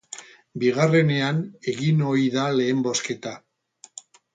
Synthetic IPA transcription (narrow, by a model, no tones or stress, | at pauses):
biɣare̞ne̞ane̞ɣino̞iðale̞ːmbo̞ske̞t̪a